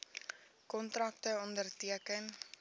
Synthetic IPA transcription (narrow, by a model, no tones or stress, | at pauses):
kɔntrɐk̚təɔndərtiəkən